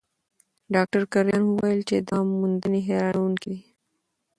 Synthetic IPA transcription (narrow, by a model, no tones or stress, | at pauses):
ɖɑk̚ʈəɾkaɾjɑːnɦuwajəlt͡ʃed̪ɑːmːund̪əniɦeɾɑnunki